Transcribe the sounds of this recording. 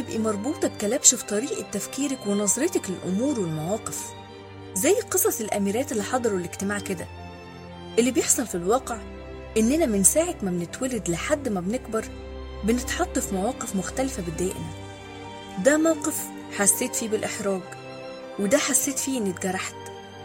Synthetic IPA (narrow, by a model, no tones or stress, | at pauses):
ebʔimɑɾˤbuːt̪ˤɑbet̪ælæbʃfi̥t̪ˤɑɾiːʔt̪ːæfkiːɾækwenɑzˤɾet̪ɑklelʔʊmuːɾwelmæwɑːqef | zæjːqɨsˤɑsˤelʔæ̰miɾæːt̪elːiħɑd̪ˤɑɾˤoleɡt̪emaːʕked̪æ̰ | ʔelːibjeħsˤɑlfilwɑːqeʕ | ʔenːʔenæmɪnsaːʕekmæbnɪt̪wælɪd̪lɪħad̪ːmæbnekbɑɾˤ | bɪnet̪ħɑt̪ˤːɑfmæwɑːqefmʊxt̪ælfæbed̪æːʔɪ̰mi | d̪æːmæwqef | ħasːeːt̪fiːbɪlʔeħɾˤɑːɡ | wed̪æħasːeːt̪fiːʔenːit̪ɡæɾˤːaħt̪